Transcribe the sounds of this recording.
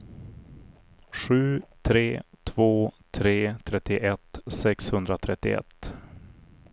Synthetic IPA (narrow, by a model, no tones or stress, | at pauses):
ɧʉ̟ːt̪ʰɾeːt̪ʰv̥oːt̪ʰɾeːt̪ʰɾɛt̪ːɪʔɛt̪sɛkshɵnd̪ɾat̪ʰɾɛt̪ːɪ̰ɛ̰t̪ː